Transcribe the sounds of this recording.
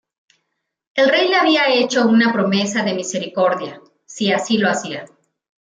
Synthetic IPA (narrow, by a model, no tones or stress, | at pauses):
e̞lre̞jleaβiae̞t͡ʃo̞unapɾo̞me̞s̬aðe̞mise̞ɾiko̞ɾðja | siasilo̞asia